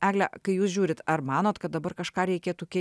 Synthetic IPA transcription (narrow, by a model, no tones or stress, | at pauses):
æːɡlʲɛkɐɪjuːsʒʲuːɾʲɪt̪ɐɾmɑːnoːt̪kɐt̪̚d̪ɐbɐɾkɐʃkɑːɾʲɛɪkʲeːt̪uːkʲɛ